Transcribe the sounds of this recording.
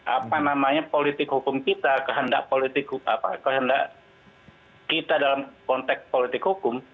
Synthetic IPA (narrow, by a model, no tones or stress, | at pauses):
ʔa̰panamaɲapolit̪ɪkhukʊmkit̪akəɦənda̰ʔpolit̪ɪk̚hua̰pa̰kəɦənda̰ʔ | kit̪adalamkɔnt̪ɛk̚s̚polit̪ɪkhukʊm